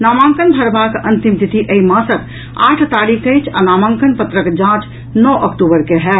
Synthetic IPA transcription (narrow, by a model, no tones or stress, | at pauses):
naːmãːŋkənbʱəɾbakʔənt̪imt̪it̪ʰiʔəimãsət̪ | a̰ːʈʰt̪aːɾikʰəɪt͡ʃʰa̰naːmãːŋkənpət̪ɾəkd͡ʒãt͡ʃ | nɔʔəkʈubəɾkeɦɛ